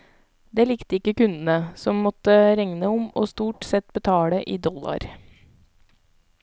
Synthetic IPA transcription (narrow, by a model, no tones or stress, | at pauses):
d̪eːlɪkt̪əɪkːəkʉnd̪ən̩əsɔmːɔt̪ːəɾɛŋnəʊmoːst̪uːʈsɛt̪bət̪ʰɑːləʔiːd̪ɔlɑ̰ɾ